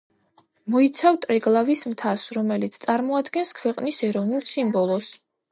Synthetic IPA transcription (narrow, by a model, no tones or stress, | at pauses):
mɔit̪sʰavt̪ʼɾɛɡlˠavismt̪ʰasɾɔmɛlit̪sʰt̪sʼaɾmɔad̪ɡɛnskʰwɛqʼnisɛɾɔvnulˠsimbɔlˠɔs